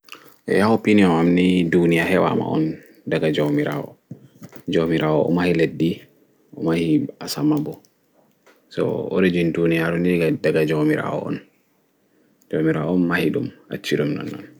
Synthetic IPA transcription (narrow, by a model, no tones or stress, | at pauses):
ʔɛ̰jahɔpiniɔmamnidunijahɛwa̰ma̰ɔ̰n | daɡad͡ʒomiɾaɔ̰ | d͡ʒomiɾaɔʔɔ̰mahiledːi | ʔɔmahiasamabɔ | sɔ̰o̰ɾid͡ʒindunijaɾɔnɡadaɡad͡ʒomiɾa̰ɔ̰ɔ̰n | d͡ʒomiɾaɔnmahiɗuma̰t͡ʃːiɾumnɔ̰nːɔ̰n